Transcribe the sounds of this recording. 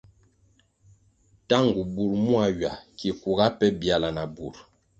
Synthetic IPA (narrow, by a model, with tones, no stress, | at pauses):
ta˦ŋɡu˨bu˨ɾmu˦a˦˨ɥa˨ki˨ku˨ɡa˦pɛ˦bja˨la˨na˨bu˨ɾ